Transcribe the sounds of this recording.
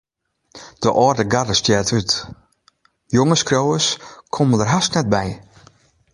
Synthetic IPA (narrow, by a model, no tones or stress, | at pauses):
d̥əʔɔːrdəɡadəstjɛːtʰyt | joŋəskrowəskʰoməndərɦasknɛt̚bɛj